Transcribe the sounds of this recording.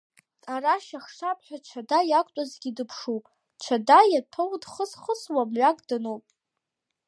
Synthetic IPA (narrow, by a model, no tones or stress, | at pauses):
tʼaraʃaχʂapʰʼħʷᶣaʈ͡ʂʰadajakʷʼtʷʼazɡʲidɨpʰʂu | t͡ʃʷʰadajapʰɨwdχəsχəswamɥʷakʼdɨnowpʼ